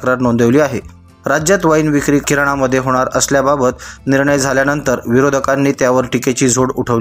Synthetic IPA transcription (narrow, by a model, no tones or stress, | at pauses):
kɾat̪nond̪əʋliːaɦe | ɾad͡ʑjat̪ʋəinʋikɾiːkiɾɽ̃aməd̪ʱːjeɦoɽ̃aɾəsljababət̪niɾɳəjd͡zʱaljanənt̪əɾʋiɾod̪ʱəkanːiːt̪jaʋəɾʈiket͡ɕiːd͡zʱoɽuʈʰəʋ